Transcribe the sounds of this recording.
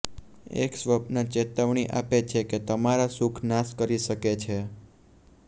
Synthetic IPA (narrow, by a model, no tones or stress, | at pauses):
ḛksʋəpnət͡ʃet̪əʋɳiʔa̰pet͡ʃʰeket̪əmaɾasukʰnaskəɾiʃəket͡ʃʰe